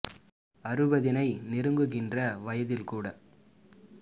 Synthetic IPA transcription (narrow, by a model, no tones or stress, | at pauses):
ɐrɯbɐðɪnɐɪnɪɾɯŋɡɯɣɪndrɐʋɐjɐðɪlkuːɽɐ